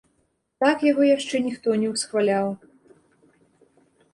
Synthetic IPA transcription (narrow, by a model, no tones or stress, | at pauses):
t̪akjaɣɔjaʂt͡ʂɛnʲixt̪ɔnʲɛwsxvalʲaw